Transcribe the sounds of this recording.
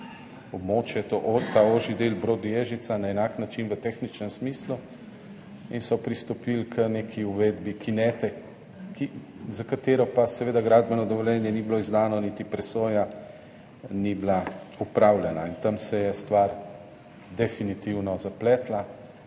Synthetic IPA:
ɔbmoːt͡ʃjɛt̪oʔt̪aoʒid̪elbɾoːd̪jeːʒit̪sanaɛnaknat͡ʃinʋət̪exnit͡ʃnɛmsmiːslu | insɔpɾist̪ɔpilkʰəneːkʰiuʋeːd̪bikinɛt̪ɛ | kizakat̪eːɾɔpasɛʋeːd̪aɡɾaːd̪bɛnɔd̪ɔʋɔljɛnjɛnibloizd̪aːnɔnit̪ipɾɛsoːja | nibla | upɾawljɛnaint̪ɐmsɛjɛst̪ʋaɾ | d̪ɛfinit̪iwnɔzaplɛːt̪la

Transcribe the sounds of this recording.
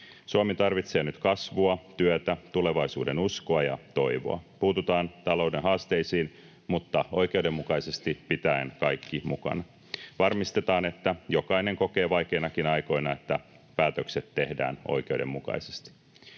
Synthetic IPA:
suɑmit̪ɑrʋit̪se̞ːnyt̪kɑsʋuɑt̪yøt̪æt̪ule̞ʋɑisuːdenuskoɑjɑ̰t̪o̞iʋo̰ɑ̰puːt̪ut̪ɑːnt̪ɑlo̞wde̞nɦɑːst̪e̞jsiːn | mut̪ːɑo̞jk̟e̞uwdemːukɑjse̞st̪ipit̪æenkɑjkːimukɑ̰nɑ | ʋɑrmist̪e̞t̪ɑːne̞t̪ːæjo̞kɑjne̞ŋko̞ke̞ːʋɑjk̟e̞ːnɑkinɑjko̞inɑe̞t̪ːæ | pæːt̪økse̞t̪ːe̞hdæ̰ːno̞̰jkeude̞̰mːukɑ̰ise̥st̪i̥

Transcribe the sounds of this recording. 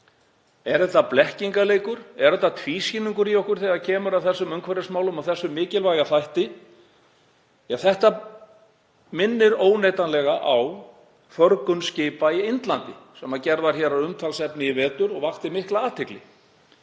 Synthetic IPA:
ɛɾðɛht̪ːaplɛhciŋkaleːjkʏɾ̥ɛɾɛt̪ːat̪ʰviːsjɪnːiŋkʏɾiɔhkʏɾ̥θɛɣaðcʰɛːmʏɾawθɛsːʏmʏŋkʰvɛɾasmaːwlʏmawθɛsːʏmːɪːcɪlvajɣaθajht̪ɪ | jaθɛht̪a | mɪnːɪɾoːwnejt̪anlɛɣaʔaw | fœɾkʏnscɪːpaɪɪnt̪lant̪ɪsɛmːaðcɛɾðaɾ̥çɛɾaʏmt̪ʰalsɛpnɪivɛːt̪ʏɾɔɣvaxt̪ɪmɪhklaaːt̪ʰɪklɪ

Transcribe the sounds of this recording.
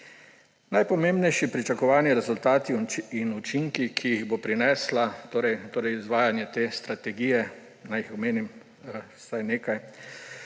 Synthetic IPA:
najpɔmeːmbnɛjʃipɾit͡ʃakɔʋaːnjɛɾɛzult̪aːt̪iinut͡ʃiŋkikʰijiɣbopɾinɛslat̪oːɾɛjt̪oːɾɛjizʋaːjanjɛt̪eːst̪ɾat̪ɛɡijɛ | najixɔmeːnim | sajneːkaj

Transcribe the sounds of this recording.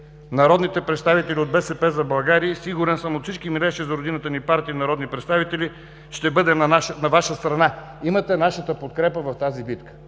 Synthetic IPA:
nɐɾɔd̪nit̪ɛpɾɛt̪st̪avit̪ɛlʲiod̪̚bɛsɛpɛzɐbɐlˠɡaɾiəsiɡuɾɛnsəmot̪sit͡ʃkimiɾɛʃɛzɐɾod̪inət̪ənipaɾt̪iːnɐɾɔd̪nipɾɛt̪st̪avit̪ɛlʲi | ʃt̪ɛbɤd̪ɛnnɐvaʃəst̪ɾɐna | imət̪ɛnaʃət̪əpot̪kɾɛpəvɐft̪azibit̪kə̥

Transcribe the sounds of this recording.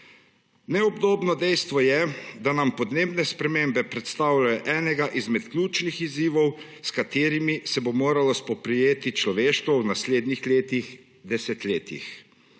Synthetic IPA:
nɛɔbd̪oːbnɔd̪ɛjst̪ʋɔjɛd̪anampɔd̪neːbnɛspɾɛmembɛpɾɛt̪st̪aːwlajɔʔɛːnɛɡaʔizmɛt̪klʲuːt͡ʃnixiziːʋɔw | skat̪eːɾimisɛbomoːɾalɔspɔpɾɛjeːt̪it͡ʃlɔʋeːʃt̪ʋɔwnasleːd̪nixleːt̪ix | d̪ɛsɛt̪leːt̪ḭx

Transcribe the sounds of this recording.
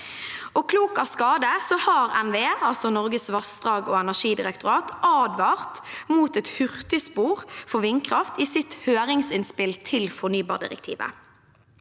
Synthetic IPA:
ɔkʰluːkɑskɑːd̪əsɔhɑːʁɛnʋeːɑlsɔnɔʁɡəsʋɑsd̪ʁɑːɡoːɛnæʃiːd̪ɪʁɛkt̪ʊɾɑːt̪ʔɑːd̪ʋɑːʁt̪muːt̪ɛt̪hʏʁt̪ɪspuːʁfɔʋɪnkʰʁɑft̪iːsɪt̪høːʁɪŋsɪnspɪlt̪ʰɪlfɔnyːbɑ̰ːd̪ɪ̰ʁɛ̰kt̪ʰḭːʋə̰

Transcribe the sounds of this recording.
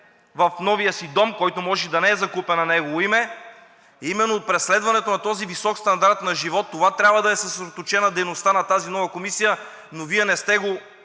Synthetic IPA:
vɐfnɔvijəsid̪ɔmkɔjt̪omɔʒɛd̪ɐnɛɛzɐkupɛnɐnɛɡovoimɛ | imɛnːoːt̪̚pɾɛslɛd̪vɐnɛt̪onɐt̪ɔzivisɔkst̪ɐnd̪aɾt̪nɐʒivɔt̪ːovat̪ɾʲabvɐd̪ɐɛsɐsɾɛd̪ot̪ot͡ʃɛnɐd̪ɛjnost̪anɐt̪azinɔvɐkomisijə | noviɛnɛst̪ɛɡo

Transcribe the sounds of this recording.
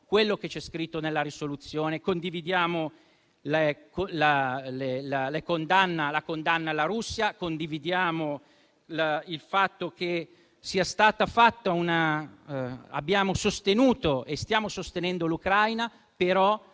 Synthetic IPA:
kwelːok̟et͡ʃɛskɾit̪ːonelːaɾisolut̪sːjoːnekond̪ivid̪jaːmo | lekolalellekond̪anːalakond̪anːalːaɾusːjakond̪ivid̪jaːmo | lailfat̪ːoke | siːast̪aːt̪afat̪ːauna | a̰bːjaːmosost̪enuːt̪oʔest̪jaːmosost̪enɛnd̪olukɾajna | peɾɔ

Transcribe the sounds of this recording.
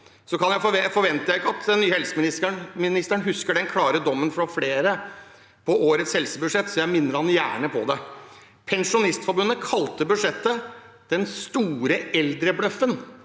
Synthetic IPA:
sɔkʰɑnjæɪfɔɛfɔɾʋɛnt̪əjæɪɪkːɑt̪ɛnːyːhɛlsəmɪnɪsəɳmɪnɪst̪əɳɦʉskəɖɛnkʰlɑːɾəd̪ɔmːənfɾɑfleːɾə | pʰɔoːɾət̪shɛlsəbʉd̪ʂɛt̪ːsɔjæɪmɪnːəɾhɑnjæ̰ːɳəpʰɔ̰d̪ɛ | pʰɛnʂʊnɪst̪fɔɾbʉnːəkʰɑlt̪əbʉd̪ʂɛt̪ːəd̪̥ɛnst̪uːɾəɛld̪ɾəblœfən

